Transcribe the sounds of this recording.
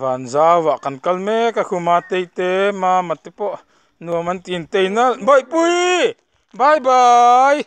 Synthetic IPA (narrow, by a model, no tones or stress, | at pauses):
vanzawvaʔkankɐlmekakʰumat̪ejt̪emamat̪epɔʔ | nuəmant̪int̪ejnabɔjpuj | bajbaj